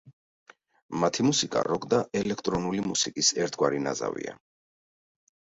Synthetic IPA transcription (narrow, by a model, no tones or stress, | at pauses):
mat̪ʰimusikʼa̰ɾɔɡd̪aɛlɛkʰt̪ʼɾɔnulimusikʼisɛɾt̪ʰɡwaɾina̰za̰vḭa